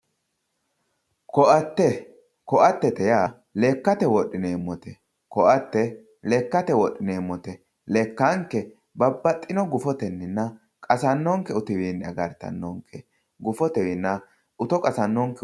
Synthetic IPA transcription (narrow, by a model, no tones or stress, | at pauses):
kɔʔɐt̪ːɛ | kɔʔɐt̪ːɛt̪ɛjaː | leːkːɐt̪ɛwɔɗːɪneːmːɔt̪ɛ | kɔʔɐt̪ːɛ | lɛkːɐt̪ɛwɔɗːɪneːmːɔt̪ɛ | leːkːɐŋkːɛ | bɐbːɐt̪ʼːɪnɔɡʊfɔt̪ɛnːɪnːɐ | kʼɐsɐnːɔŋkɛʊt̪ɪwiːnːɐɡɐɾt̪ɐ̰nːɔŋkʰːɛ | ɡʊfɔt̪ɛwinːɐ | ʔʊt̪ɔkʼɐsɐnːɔŋkɛ